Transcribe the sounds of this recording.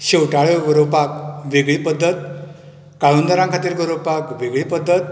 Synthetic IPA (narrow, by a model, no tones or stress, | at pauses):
ɕewʈaɭeɡʱəɾowpak̚ʋeɡɭiːpəd̪ʱːət̪̚ | kaɭund̪əɾãŋkʰat̪iːɾɡəɾowpakʋeɡɭipəd̪ʱːət̪̚